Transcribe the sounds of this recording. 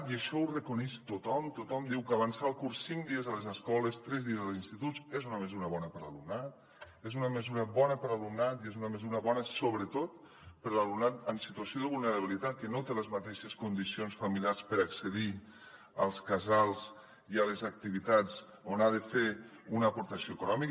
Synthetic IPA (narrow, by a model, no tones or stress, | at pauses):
t̪iəʃɔurəkunɛʃt̪ot̪ɔmt̪ot̪ɔmd̪iwkaβansalˠkursːiŋd̪iəzəlezəskɔləst̪ɾɛzðiəzðəlˠzinst̪it̪ut͡sezunəməzuɾəβɔnəpəɾalumnat̪̚ | ezunəməzuɾəβɔnəpəɾalumnat̪iezunəməzuɾəβɔnəsoβɾət̪ot̪ | pəɾlalumnat̪əmsit̪uasioðəβulˠnəɾəβ̞ilit̪at̪̚kənot̪eləzmat̪eʃəskund̪isionsfəmiljaɾspəɾaksəði | ə̰lˠskazalˠz | iələzək̚t̪iβit̪ad͡z | onaðəfeunəːpuɾt̪əsioekunɔmik